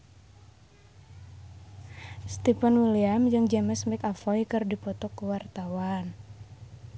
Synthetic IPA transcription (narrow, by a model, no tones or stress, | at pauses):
st̪ipanwiliamd͡ʒɨŋd͡ʒaməsmɪkafɔjkɨrdipɔt̪ɔkəwart̪awan